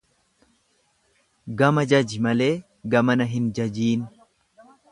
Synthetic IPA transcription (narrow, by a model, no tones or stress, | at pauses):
ɡɐmɐd͡ʒɐd͡ʒɪmɐle̞ː | ɡɐmɐnɐɦɪnd͡ʒɐd͡ʒiːn